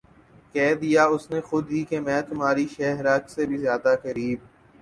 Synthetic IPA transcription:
kɛːd̪ijaːʊsnexʊd̪ɦikemɛ̃ːt̪ʊmɦaːɾiʃɛːɦɾaːksebʱizjaːd̪axəɾiːb̚

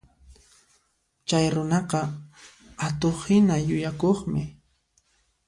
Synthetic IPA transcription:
t͡ʃajɾʊnɑqɑ | at̪oχhɪnajʊjakoχmɪ

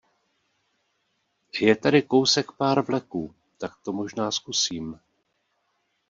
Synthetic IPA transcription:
jɛt̪aɾɪko̞wsɛkpaːɾvlɛkuː | t̪ak̚t̪o̞mo̞ʒnaːskusiːm

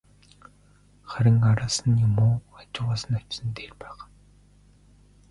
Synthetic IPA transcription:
χæɾʲɪ̆ŋkaɾaːsə̆njʊmoːat͡ɕɪ̆lʁaːsə̆nḁt͡ɕsə̆nt̪eːrpæːχ

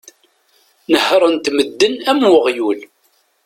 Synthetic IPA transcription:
nəhɾˤənt̪məd̪ːənæmwʊʁjul

